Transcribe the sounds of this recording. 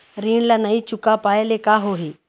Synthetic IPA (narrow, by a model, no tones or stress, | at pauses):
ɾiːɳ̃lanaɦit͡ʃukapaelekaɦoɦiː